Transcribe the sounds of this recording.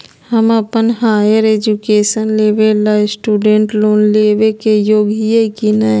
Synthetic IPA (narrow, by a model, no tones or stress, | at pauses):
həmɐpənɦaːjəɾeːd͡ʒukeːʃənleːʋelsʈuːɖẽːɳʈloːnleːʋekejoːɡijekina